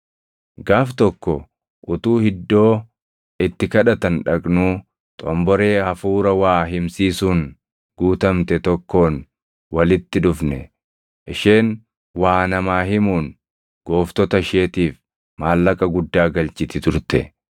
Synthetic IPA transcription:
ɡaːft̪ɔkːɔ | ʔʊt̪uːhɪd̪ːo̞ː | ɪt̪ːɪkɐᶑɐt̪ɐnᶑɐkʼnuː | t̪ʼɔmbɔɾe̞ːhɐfuːɾɐwaːɦɪmsiːsuːn | ɡuːt̪ɐmt̪ɛt̪ɔkːo̞ːn | wɐlɪt̪ːɪᶑʊfnɛ | ʔɪʃe̞ːn | waːnɐmaːɦɪmuːn | ɡ̥oːft̪ɔt̪ɐʃeːt̪iːf | maːlːɐkʼɐɡʊd̪ːaːɡɐlt͡ʃɪt̪ɪt̪ʊɾt̪ɛ̰

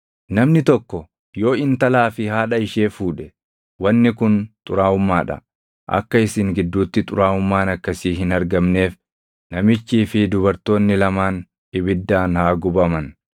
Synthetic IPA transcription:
nɐmnɪt̪ɔkːɔ | joːɪnt̪ɐlaːfɪhaːᶑɐɪʃe̞ːfuːᶑɛ | wɐnːɪkʊnt̪ʼʊɾaːʊmːaːᶑɐ̰ | ʔɐ̰kːɐɪsɪŋɡɪd̪ːuːt̪ːɪt̪ʼʊɾaːʊmːaːnɐkːɐsiːɦɪnɐɾɡɐmne̞ːf | nɐmɪt͡ʃːiːfɪd̪ʊβɐɾt̪o̞ːnːɪlɐmaːn | ɪbɪd̪ːaːnhaːɡʊbɐmɐn

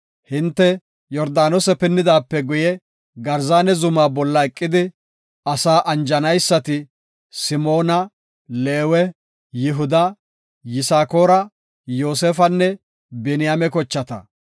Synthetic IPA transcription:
hɪnt̪ːɛ | jɔɾd̪aːnɔsɛpɛnːɪd̪aːpːɛɡʊjɛ | ɡɐɾzaːnɛzʊmaːbɔlːɐɛkʼːɪd̪ɪ | ɐsaːʔɐnd͡ʒɐnɐjsːɐt̪ɪ | sɪmo̞ːnɐ | leːwɛ | jɪɦʊd̪ɐ | jɪsaːko̞ːɾɐ | jo̞ːseːfɐnːɛ | bɛnɪjamɛkɔt͡ʃːɐt̪ɐ̰

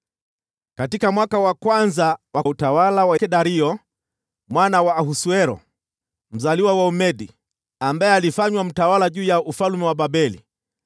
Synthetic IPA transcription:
katikamwakawakwanzawautawalawakɛɗaɾiɔ | mwanawaːhusuɛɾɔ̰ | m̩zaliwawaumɛɗi | ambaɛalifaɲwam̩tawalaʄuːjaufalmɛwaɓaɓɛlḭ

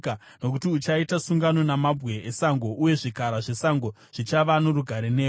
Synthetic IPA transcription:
no̞kutiut͡ʃaitasuŋɡano̞namabʱwe̞esaŋɡo̞ʔuje̞ʐikaɾaʐe̞saŋɡo̞ | ʐ̥it͡ʃaʋanoɾuɡʱaɾeneː

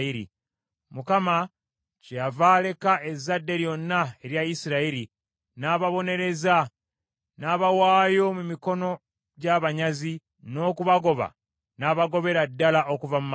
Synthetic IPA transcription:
iɾḭ | mukama | ceavale̞kaʔe̞zːadːe̞ɾjo̞nːae̞ɾjaisiɾaiɾi | naːβaβo̞ne̞ɾe̞za | naːβawaːjo̞mumiko̞no̞ | ɟaβaɲazi | no̞ːkuβaɡo̞βa̰ | naːβaɡo̞βe̞ɾadːalaʔo̞kuvamum

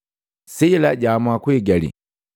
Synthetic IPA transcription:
sɛilaɟamwakwɛɡalḭ

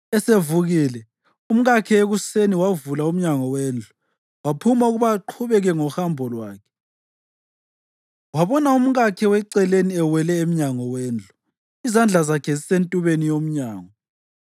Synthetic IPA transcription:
ɛsevuɣiːlɛ | um̩ɣakʰɛeɣuseniwavulaum̩ɲaŋɔweːnd͡ɮʱu | wapʰumauɣuβaǃʰuβɛɣɛŋɔhambʱɔlwa̰ːkʰɛ̥ | waβɔnaum̩ɣakʰɛwɛǀɛleniɛwɛlɛem̩ɲaŋɔwɛːnd͡ɮʱu | izand͡ɮʱazakʰɛzisentʼuβenijom̩ɲaːŋɔ

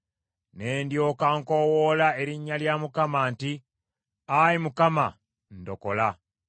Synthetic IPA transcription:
ne̞ːndjoːkaŋko̞wolae̞ɾiɲːaljamukamaːnti | ajimukama̰ | ndo̞̰kola

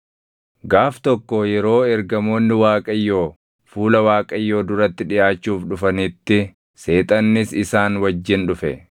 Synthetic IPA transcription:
ɡaːft̪ɔkːɔjɛɾo̞ːɛɾɡɐmo̞ːnːɪwaːkʼɐjːo̞ː | fuːlɐwaːkʼɐjːo̞ːd̪ʊɾɐt̪ːɪᶑɪʔaːt͡ʃːuːfᶑʊfɐnɪt̪ːɪ | se̞ːt̪ʼɐnːɪsɪsaːnwɐd͡ʒːɪnᶑʊfɛ̰

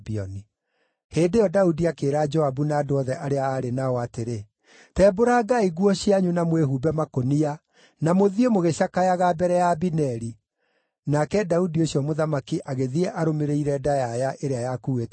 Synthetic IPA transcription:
biɔni | heːdejɔdaudiakeːɾad͡ʒɔabunaːdoɔðɛʔaɾeaːɾenaɔateɾe | tɛːboɾaːɡaiɣwɔɕiaɲunamweɦubɛmakonia | namoðiemoɣeɕakajaɣabɛɾɛjabinɛɾi | nakɛdaudioɕjɔmoðamakiʔaɣeðiɛʔaɾomeɾeiɾɛdajajaʔeɾeajakuet

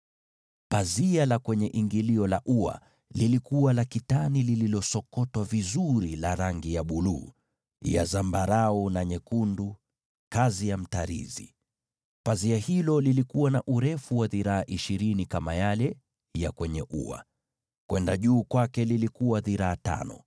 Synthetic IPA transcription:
pazialakwɛɲɛʔiŋɡiliɔlaʔua̰ | lilikuwalakitanilililɔsɔkɔtwavizuɾilaɾaŋɡijaɓulṵː | ja̰zambaɾaɔnaɲɛkundu | kazijam̩taɾḭzi | paziahilɔlilikuwanaʔuɾɛfuwaðiɾaːʔiʃiɾinikamajalɛ | jakwɛɲɛʔṵa̰ | kwɛndaʄuːkwakɛlilikuwaðiɾaːta̰nɔ̰

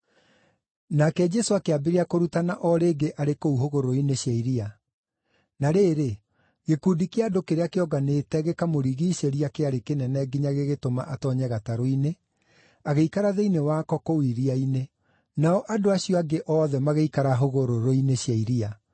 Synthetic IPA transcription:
nakɛd͡ʒɛsoakeabeɾeakoɾutanaʔɔɾeːɡeʔaɾekouɦoɣoɾoineɕjaiɾia | naɾeːɾe | ɣekuːdikeadokeɾeakeɔɡaneːtɛɣekamoɾiɣiʃeɾiakeaɾekenɛnɛɡiɲaɣeɣetoma̰ʔatɔɲɛɣataɾoine | aɣeikaɾaðeinewaːkɔkowiɾiaine | naɔʔadoaɕiɔaɡeʔɔːðɛmaɣeikaɾaɦoɣoɾoɾoineɕjaiɾia

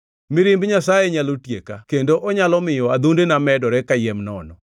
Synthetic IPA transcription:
mɪɾɪmbɲasajeɲalotjekakendoʔɔɲalɔmɪjɔad̪undenamɛdɔɾɛkajɛmnɔnɔ

